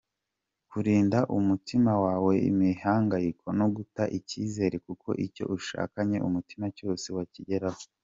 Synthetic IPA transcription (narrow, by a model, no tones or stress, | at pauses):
kuɾiːndaʔumutimawaːwe̞ḭmihaːŋɡajikʰo̞no̞ɡutaʔiciːze̞ːɾe̞kuko̞̰ʔico̞̰ʔuʃa̰ːkaɲe̞ʔumutimaco̞ːse̞waciɟe̞ɾaho